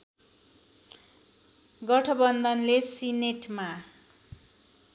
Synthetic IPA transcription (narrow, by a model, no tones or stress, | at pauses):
ɡʌʈʰʌbʌnd̪ʱʌnlesineʈma